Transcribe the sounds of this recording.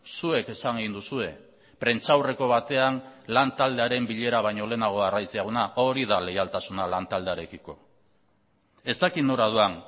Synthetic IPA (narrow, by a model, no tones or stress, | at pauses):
sue̞ke̞saŋeɣind̪usue̞ | pɾe̞nt͡ʃawre̞ko̞βat̪e̞anlant̪ald̪e̞aɾe̞mbiʎe̞ɾaβ̞ajɲo̞le̞ːnaɣ̞o̞arajsiaɣunaʔo̞ɾiðale̞jalt̪asunalant̪ald̪e̞aɾe̞kiko̞̰ | e̞st̪akit̪no̞ɾað̞uan